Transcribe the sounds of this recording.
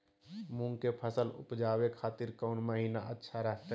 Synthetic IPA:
mũŋkepʰəsəlʊ̰pd͡ʒaːwekʰaːt̪ɪɾkɔʊnməɦiːnaʔətːʃʰaɾəɦʰt̪

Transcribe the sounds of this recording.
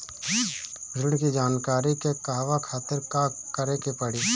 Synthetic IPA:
bɾɪɽkid͡ʒaːnkaːɾikekaɦʋakʰaːt̪ɪɾkakəɾekepəɽiː

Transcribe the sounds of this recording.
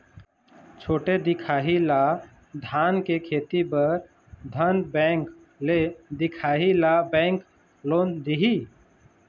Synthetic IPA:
t͡ʃʰoːʈed̪ɪkʰaːɦila | d̪ʱaːnkekʰeːt̪ibəɾ | d̪ʱənbɛk | d̪ɪkʰaːɦilabɛ̃ːŋk | loːnd̪iɦi

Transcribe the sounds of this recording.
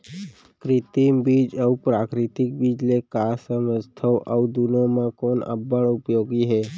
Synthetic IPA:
kɾɪt̪imbid͡ʒəupɾakɾɪt̪ɪk̚bid͡ʒlekasəməst̪ʰəwʔəud̪unõmãkoːnə̰bəɭʊpjoɡiɦɛː

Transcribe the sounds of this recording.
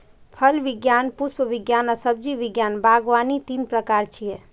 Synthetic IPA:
pʰəlʋɪɡjaːnpuspəʋɪɡjaːnəsəb̚d͡ʒiʋiɡjaːnbaːɡʋaːnit̪iːnpɾəkaːɾt͡ʃʰie

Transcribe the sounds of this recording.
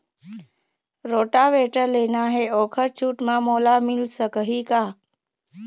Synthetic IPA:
ɾoʈaʋeʈəɾlenaɦeokʰəɾt͡ʃʰuʈmãmolamilsəkəɦika

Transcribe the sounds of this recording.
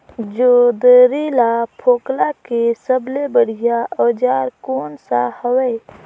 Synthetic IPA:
d͡ʒoːd̪əɾilapʰoːklakesəblebəɽ̤ijaʔɔːd͡ʒaːɾkoːnsa̰həweː

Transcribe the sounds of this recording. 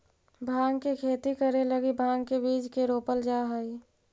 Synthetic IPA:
bʱãːɡkekʰeːt̪ikəɾeləɡibʱãːŋkebiːd͡ʒkeɾoːpəld͡ʒaːɦai

